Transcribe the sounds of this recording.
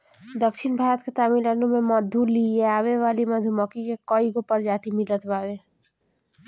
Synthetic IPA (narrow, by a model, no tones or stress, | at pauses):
d̪əkʃɪnbʱaːɾət̪ket̪aːmilənumẽməd̪ʱulieaːʋeʋaːliməd̪ʱuməkikekɔiɡopəɾd͡ʒaːt̪imɪlət̪ʋaːwe